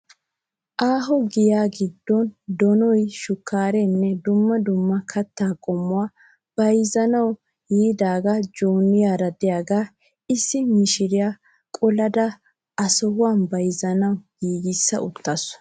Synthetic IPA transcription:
ʔaːɦɔɡɪjaːɡɪd̪ːɔnd̪ɔnɔjʃʊkːaːɾɛnːɛd̪ʊmːɐd̪ʊmːɐkʰɐt̪ːaːkʼɔmːʊwaː | b̥ɐjzɐnɐw | jiːd̪aːɡad͡ʒoːnːɪjaːɾɐd̪ɪjaːɡaː | ɪsːɪmɪʃɪɾɪjaː | kʼɔlɐd̪ɐ | ɐsɔhʊwaːnbɐjzɐnɐwɡiːɡɪsːɐ̰ʔʊt̪ːɐs

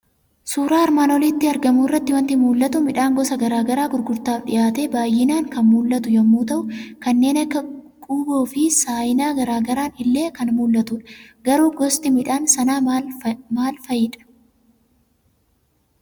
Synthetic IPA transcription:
suːɾaːɐɾmaːnɔliːt̪ːɪɐɾɡɐmuːɪrːɐt̪ːɪwɐnt̪ɪmuːlːɐt̪ʊmɪᶑaːŋɡɔsɐɡɐɾaːɡɐɾaːɡʊɾɡʊɾt̪aːfᶑɪ̰jaːt̪eːbaːjːɪnaːŋkɐnmuːlːɐt̪ʊjɐmːuːt̪ɐʔʊkɐnːe̞ːnɐkːɐ | kʼuːboːfɪsaːjɪnaːɡɐɾaːɡɐɾaːnɪlːe̞ːkɐnmuːlːɐt̪uᶑɐ̥ɡɐɾuːɡɔst̪ɪmɪᶑaːnsɐnaːmaːlfɐjɪᶑɐ̥

